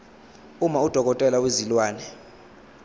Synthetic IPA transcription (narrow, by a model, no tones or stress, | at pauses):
umaud̥ʱɔk̬ʼɔtʼɛlawezilwaːnɛ